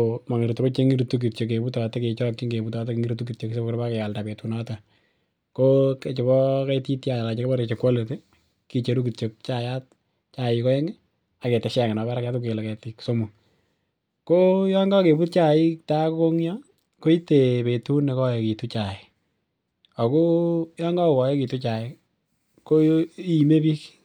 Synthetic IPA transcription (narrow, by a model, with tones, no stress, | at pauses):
oma˨ŋi˨ɾu˨tu˨o˦t͡ʃe˦ŋi˦ɾutu˦k̬i˨t͡ʃo˨k̬e˨pu˦ta˨te˦ke˨t͡ʃɔ˦kːi˦ŋɡe˨bu˨tɔ˨teke˨ŋi˦ɾu˦tu˦ki˨t͡ʃo˨kse˦bkɾba˦ke˨ja˨lda˨pe˨tu˨nɔ˦ta | koke˨t͡ʃɪ˨bɔ˦kɛ˦ti˦tja˨jala˨t͡ʃekbɔ˦ɾekt͡ʃe˨kwa˦le˨te˦ | ki˨t͡ʃe˨ɾu˦ki˨t͡ʃok̚t͡ʃaja˦t̚ | t͡ʃa˨jɪkɔ˦ɛ˦ŋ | a˨ke˨te˨ʃɛ˨ŋe˨nɔ˨βɛ˦ɾa˦ka˦tʊke˨lɛ˨kɛ˨tikso˦mu˨ | ko˦jɔŋɡɔ˦ke˨bu˦t̚t͡ʃa˨ɪ˦kta˦ko˦ko˦ŋjɔ˦ | ko˦i˦te˨pe˨tu˦ne˨kɔ˦je˨ki˨tu˦t͡ʃa˨ɪ˨ | ɔ˨ko˦jɔ˦ŋɡɔ˦˨wɔ˨je˦ki˨tu˦t͡ʃa˨ɪ˨ | ko˦ime˦pi˦k